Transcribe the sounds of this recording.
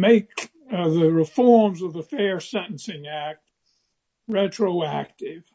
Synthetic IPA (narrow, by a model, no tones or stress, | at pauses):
meɪk | ðɨɹɨfɔɹmzʌvðəfɛɹsɛ̃ɾn̩sɪ̃ŋæk̚t̚ | ɹɛt͡ʃɹ̥oʊæk̚tɪv̥